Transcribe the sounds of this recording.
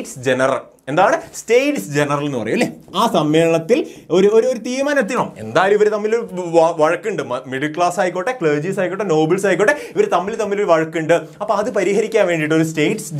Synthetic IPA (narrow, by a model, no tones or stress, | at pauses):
ʈsd͡ʑenɐrɐl | e̞nd̪aːjɐɳɨsʈeːjʈsd͡ʑe̞nɐrɐle̞nːpɐrɐ̰jumɐlːeː | aːsɐmːe̞ːɳɐt̪ːiloɾuoɾuoɾut̪iːɾumaːnɐt̪̬ːiloːe̞̰nd̪aːjɐlumiʋɐɾt̪ɐmːilʋɐɻɐkːiɳɖɨmɐmiɽilkɭaːsaːjikʲːoʈːekɭeːd͡ʑisaːjikʲːoʈːeno̞ːbɐlsaːjikʲːoʈːeiʋɐɾt̪ɐmːilt̪ɐmːiluɾʋɐɻɐkːiɳɖɨ | ɐpːoɐðɨpɐɾiːhɐɾikʲːaːnʋe̞ːɳɖiʈːoɾus̬ʈeːʈs